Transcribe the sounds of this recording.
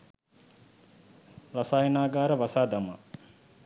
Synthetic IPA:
rasaːjənaːɡaːɾəʋasaːd̪ama̰

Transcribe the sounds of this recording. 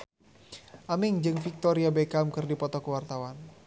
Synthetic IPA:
ʔamɪŋd͡ʒɨŋfik̚t̪ɔɾiabekamkɨrdipɔt̪ɔkəwart̪awan

